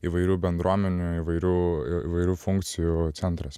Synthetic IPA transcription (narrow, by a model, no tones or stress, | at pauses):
iʋɐɪɾʲuːbʲɛnd̪ɾuɔmʲɛnʲuiʋɐɪɾʲuːḭːʋɐɪɾʲuːfʊŋkt̪sʲɪjut̪ʲɛnt̪ɾɐs